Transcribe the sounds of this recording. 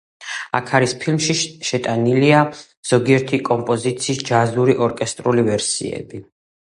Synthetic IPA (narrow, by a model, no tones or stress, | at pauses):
a̰kʰaɾispʰilmʃiʃɛt̪ʼanilia | z̥ɔɡiɛɾt̪ʰikʼɔmpʼɔzit̪sʰiːsd͡ʒazuɾiʔɔɾkʼɛst̪ʼɾulivɛɾsḭɛ̰bi